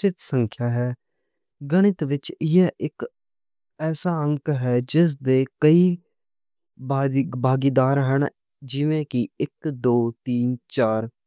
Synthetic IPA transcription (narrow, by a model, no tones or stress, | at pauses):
t͡ʃɪt̪səŋkʰjaːɦɛː | ɡəɽ̃ɪt̪ʋɪt͡ʃjeʔɪk | ɛːsaːəŋkɦɛːd͡ʒɪs̬d̪eːkəiː | bʱaːɡiːd̪aːɾɦəɳ | d͡ʒɪʋẽːkɪɪkd̪oːt̪iːnt͡ʃaːɾ